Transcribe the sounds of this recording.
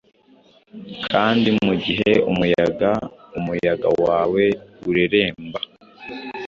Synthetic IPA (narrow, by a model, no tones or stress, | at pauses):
kʰaːndimuɟiɦe̞umujaɡaumujaɡa̰waːwe̞uɾeɾe̞ːmba